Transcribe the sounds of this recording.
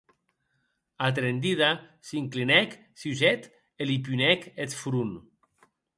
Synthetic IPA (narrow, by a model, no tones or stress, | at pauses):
at̪̬ɾend̪iðasiŋklinɛk | siusɛt̪ | elipunɛket̪fɾun